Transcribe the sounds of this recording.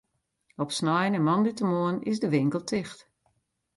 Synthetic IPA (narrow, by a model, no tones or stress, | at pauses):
ɔpsnɔjnənmɔnditəmoənɪsdəʋɪŋkəlˠtʰɪxt